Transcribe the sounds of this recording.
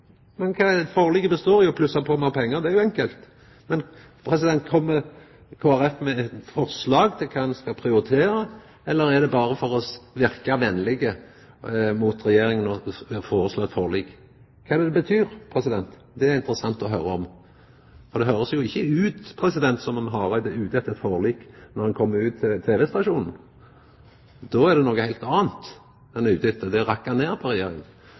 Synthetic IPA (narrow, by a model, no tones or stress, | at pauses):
mɛnkʰɑːɛd̪foʁliɡəbəst̪oːɾɪɔpʰlʉsɑpʰɔmɑpʰɛŋːəʁɾd̪ɛæɾjʊɛŋkəlt̪ | mɛn | pʰɾɛsɪd̪ɛnt̪̚kʰɔmːə | kʰoːæɾɛfmɛɛt̪fɔʁslɑːɡt̪ʰɪlkʰɑɛnskɑpʰɾɪʊɾɪt̪ʰeːɾə | ɛlːəɾæd̪ɛbɑːɾəfɔɾɔsʋɪɾkɑʋɛnːlɪɡə | mʊt̪ɾɛjeːɾɪŋənɔfoːɾəsloːɛt̪foːʁlɪɡ | kʰːɑːd̪ɛbət̪ʰyːɾpʰɾɛsɪd̪ɛnt̪ | d̪ɛæɾɪnt̪ɾəsɑnt̪ɔɦøːɾəɔm | fɔɾd̪ɛɦøːɾəsjʊɪçːəʉːt̪pʰɾɛsɪd̪ɛnt̪sɔmɑnɦɑɾæd̪ʉːd̪ɛt̪ːət̪foːʁliːknɔʁhɑnkʰɔmːəɾʉːt̪ʰːɪlt̪ʰeːʋɛst̪ɑʃuːnn̩ | d̪̥ɔæʁd̪ɛnoːɡəhæɪlt̪ɑːnt̪ | ɛnʉːt̪ɪt̪ːəd̪ɛʁɑkːɑneːʁpʰɔɾɛjeːɾɪŋən